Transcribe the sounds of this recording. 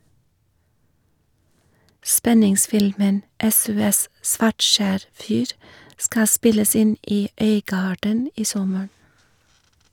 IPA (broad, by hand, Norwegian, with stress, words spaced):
ˈspɛnɪŋˌsfɪlmən ˈɛsʊˌɛs ˈsʋɑʈˌʃæːɾ ˈfyːɾ ˈskɑː ˈspɪləs ˈɪn ˈiː ˈœʏˌɡɑːɖən ˈiː ˈsɔməɹ